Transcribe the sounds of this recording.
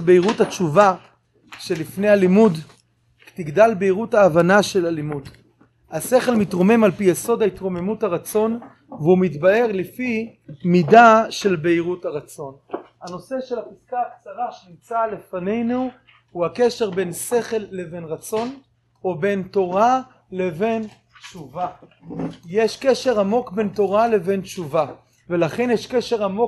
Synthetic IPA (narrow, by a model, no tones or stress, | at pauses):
beiʁuthat͡ʃuva | ʃelifne̞jhalimud | tiɡdalbeiʁutaːvanaʃe̞lalimud | hase̞χe̞lmitʁo̞me̞malpijeso̞daitʁo̞me̞muthaʁat͡so̞n | veumitbae̞ʁlifimidaʃe̞lbeiʁuthaʁat͡so̞n | ano̞se̞ʃelapiskaːkt͡saʁaʃenimt͡sale̞fane̞jnu | huhakeʃe̞ʁbe̞nse̞χe̞lːeve̞nʁat͡so̞n | obe̞nto̞ʁa | leve̞n | t͡ʃuva | jeʃkeʃe̞ʁamo̞kbe̞nto̞ʁale̞ve̞nt͡ʃuva | velaχe̞njeʃkeʃe̞ʁamo